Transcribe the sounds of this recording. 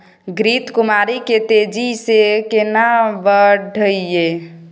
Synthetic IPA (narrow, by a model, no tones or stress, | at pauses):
ɡɾit̪kumaɾiket̪ed͡ʒisekenabəɖʱəije